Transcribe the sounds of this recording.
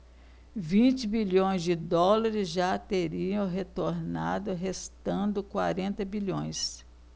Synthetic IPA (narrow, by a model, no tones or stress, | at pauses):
vĩt͡ʃɪbiʎõj̃zd͡ʒɪd̪ɔlaɾɪzʒat̪eɾiɐ̃w̃ɦet̪oɾna̰d̪ʊɦest̪ɐ̃nd̪ʊkwa̰ɾẽnt̪ɐbiʎõj̃s